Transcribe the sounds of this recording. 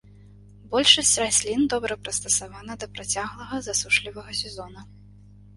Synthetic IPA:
bɔlʲʂɐsʲt͡sʲrasʲlʲind̪ɔbɾɐpɾɐst̪ɐsavanɐd̪ɐpɾat͡sʲaɣlˠɐɣɐzasuʂlʲivɐɣɐsʲɛzɔnɐ

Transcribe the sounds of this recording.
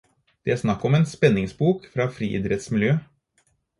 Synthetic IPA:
d̪̥ɛæʂnɑkːɔmeːnspɛnːɪŋsbuːkfɾɑːfɾḭːʔɪ̰d̪ɾɛt̪smɪljøː

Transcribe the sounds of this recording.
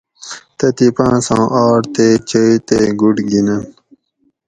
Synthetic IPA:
t̪ɐt̪ipãːsãːʔaːʈt̪eːt͡ɕəit̪eɡuɖɡinɐn

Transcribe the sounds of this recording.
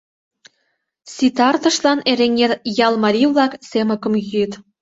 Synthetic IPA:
sʲit̪ɑrt̪ɤ̆ʃlɑneɾeŋet̪jɑlˠmɑɾʲivlˠɑksemə̆kɤ̆mɣyt̪

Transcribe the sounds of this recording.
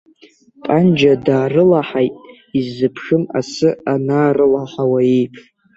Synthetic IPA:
pʼand͡ʒadaːrɨlaħajtʼ | izːɨpʰʂɨma̰sɨanaːrɨlaħawaejpʰ

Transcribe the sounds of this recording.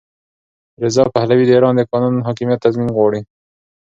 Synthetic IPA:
ɾɪzɑpahlawid̪əiɾɑnd̪əkɑnunɦɑkimjat̪ːazminɣwɑɽi

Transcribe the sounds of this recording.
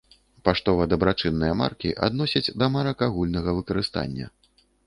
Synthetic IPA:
paʂt̪ɔvɐd̪ɐbɾat͡ʂɨnːɨjɐma̰rkʲiʔa̰d̪nɔsʲɐt͡sʲd̪ɐmɐɾɐkaɣulʲnɐɣɐvɨkɐɾɨst̪a̰nʲːɐ̰

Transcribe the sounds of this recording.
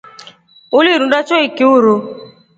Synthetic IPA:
ʊliɾũdat͡ʃɔikiuɾo

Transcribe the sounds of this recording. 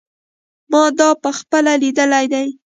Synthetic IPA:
mɑd̪ɑpəxpəlalid̪əlajd̪aj

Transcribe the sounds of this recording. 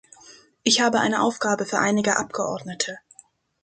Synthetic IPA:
ʔɪçhaːbəʔa̰ɪnəʔaʊfɡ̥aːbəfyːɐʔaɪnɪɡəʔapɡ̥əʔɔ̰ɐdnətʰə

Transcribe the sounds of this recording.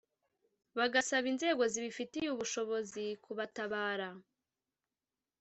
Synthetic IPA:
βaɡasaβinze̞ːɡo̞ziβifitijuβuʃo̞βo̞zikuβataβaːɾa

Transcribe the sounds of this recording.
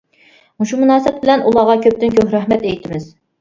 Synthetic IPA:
muʃumunɑːsɪp̚bɪlɛnʔulˠɑʁɑkʲʰøp̚t̪ɪnkʲøhɾæhmɛt̪ejt̪ʰɪmɪz̥

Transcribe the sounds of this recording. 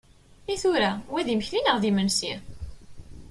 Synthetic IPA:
iθuɾæwæðiməçlinəʁðimənsi

